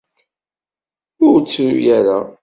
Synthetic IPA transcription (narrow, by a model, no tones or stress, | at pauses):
ʊɾt͡sːujaɾa